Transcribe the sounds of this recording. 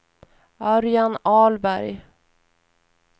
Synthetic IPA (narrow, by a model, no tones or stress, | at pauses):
œɾjanɑːlbæɾj